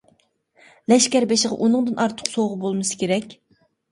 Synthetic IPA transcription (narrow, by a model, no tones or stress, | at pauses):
lɛʃkʲæɾbeʃɪʁɑ̰ʔunɨŋd̪ɨnʔɑɾt̪ʰə̥qsoʁəbolˠmɨsɨ̥kʲeɾɛkʲ